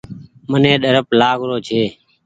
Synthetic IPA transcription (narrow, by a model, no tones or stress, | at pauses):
mənẽːɗəɾəplaːɡɾoːt͡ʃʰeː